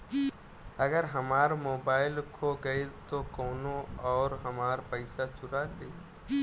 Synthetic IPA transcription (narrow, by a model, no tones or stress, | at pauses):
ɐɡəɾɦɐmaːɾmoːbaːɪlkʰoɡəet̪okɔːnõɔːɾɦɐmaːɾpəɪsat͡ʃʊɾad̪ei